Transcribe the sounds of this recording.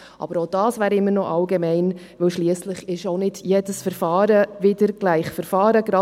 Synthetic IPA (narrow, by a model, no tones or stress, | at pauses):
ʔɑ̰bəɾoʊd̥ɑːsvæːɾɪmːəɾnɔʔɑlɡɛmɛɪn | ʋɪwʃliəsləχɪʃoʊnɪdjedəsfəɾfɑːɾəvɪdəɾɡ̥læɪχfəɾfɑːɾəɡɾɑ